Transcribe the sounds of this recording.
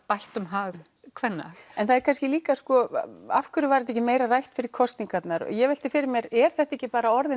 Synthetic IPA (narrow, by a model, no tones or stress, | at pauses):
pajlt̪ʏmɦaːɣ | kʰvɛnːa̰ɛnθaðɛɾkʰanscɪliːkaskɔa̰fkʏɾʏvaɾɛt̪ɛhcːɪmeːjɾarajht̪fɪɾɪɾ̥kʰɔst̪niŋkat̪naɾɔ̰jɛvɛl̥t̪ɪfɪɾɪɾmjɛɾɛɾ̥θɛht̪aɛhcːɪpaːɾaɔɾðɪ